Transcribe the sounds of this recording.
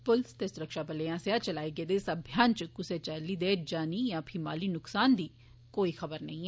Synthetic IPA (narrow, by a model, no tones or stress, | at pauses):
pʊlst̪eːsʊɾəkʃaːpəleãːsejaːt͡ʃəlaːiɡed̪eːsəbʱjaːnt͡ʃkʊset͡ʃəliːd̪eːd͡ʒaːnijãːpʰɪma̰ːliːnʊksaːnd̪iː | koːixəbəɾnɐɦĩːɛ